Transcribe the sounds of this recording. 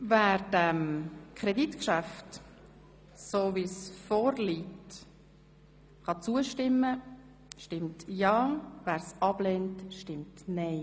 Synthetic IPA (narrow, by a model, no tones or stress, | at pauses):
væːɾdæmkʰʁɛditkʃæft | soːvisfoːɾliːt | χɑt͡suəʃtɪmːə | ʃtɪmtjɑːvæːɾsɑb̥lentʃtɪmtneɪ